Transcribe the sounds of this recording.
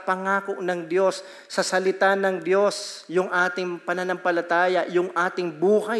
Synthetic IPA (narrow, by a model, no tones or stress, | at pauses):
pɐŋaːko̞ʔnɐŋd̪jo̞sː | ɐsɐlɪt̪anɐŋd̪jo̞sjʊŋʔaːt̪ɪŋpɐnɐnɐmpɐlɐt̪aːjɐjʊŋʔaːt̪ɪŋbuːhɐ